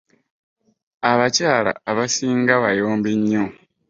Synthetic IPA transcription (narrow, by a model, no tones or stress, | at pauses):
aβacaːla̰ːβasiːŋɡaβajo̞ːmbeɲːo